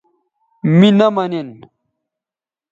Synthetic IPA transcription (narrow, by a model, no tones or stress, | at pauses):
minɐmɐnin